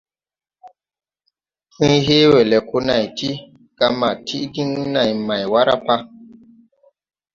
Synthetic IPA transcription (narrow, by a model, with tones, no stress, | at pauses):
fũ˦ɦe˦we˨lɛ˨ko˦na˨jtʰi˦ | ɡ̥a˨ma˨tʰi˦ʔdi˦ŋ˦na˨jma˨jwa˦ɾa̰˦pa˦